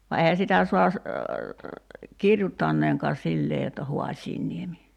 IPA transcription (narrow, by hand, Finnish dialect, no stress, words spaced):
ʋɑ eihæ sitæ suɑ s kirjutːɑnːeːŋkɑː silːeː jotːɑ ho̝ɑsʲiːnːiemi